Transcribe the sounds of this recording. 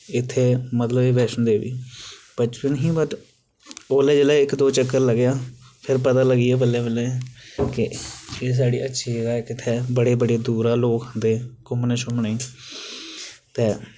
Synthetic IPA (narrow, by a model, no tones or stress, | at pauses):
ɪt̪ʰːeːmət̪ləbeːʋɛːʃənd̪eːʋḭːpət͡ʃpɪnɦĩːbət̪ | oːleːd͡ʒeːlɛːɪkd̪oːt͡ʃəkːəɾləɡjaːpʰɪɾpət̪aːləɡiːɛːbəlːeːbəleːkɪeːs̬aːɽiːʔətːʃʰiːd͡ʒəɡaːkɪt̪ʰːeːbəɽeːbəɽeːd̪uːɾaːloːkɦənd̪eːkʊmneʃʊmneː | t̪eː